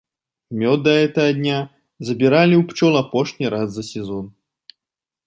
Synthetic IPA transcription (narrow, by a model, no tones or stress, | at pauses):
mʲɔd̪ːɐɛt̪ɐɣɐd̪ʲnʲa | zɐbʲiɾalʲiwpt͡ʃɔlˠapɔʂnʲiɾazːɐsʲɛzɔn